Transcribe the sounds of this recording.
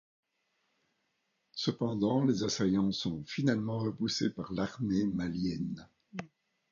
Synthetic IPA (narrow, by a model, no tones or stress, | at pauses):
səpɑ̃d̪ɑ̃lezasajɑ̃sɔ̃finalmɑ̃ʁəpusepaʁlaʁmemaljɛn